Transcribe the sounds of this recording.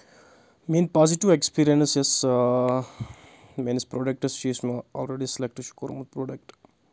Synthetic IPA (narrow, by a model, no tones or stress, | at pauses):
miːnpaːziʈiʋekspiːɾijensjes | meːnispɾoːɖek̚ʈɐsʃiːsmaɔːlɾeɖiselek̚ʈʃu̥koːɾmud̪̚pɾoːɖek̚ʈ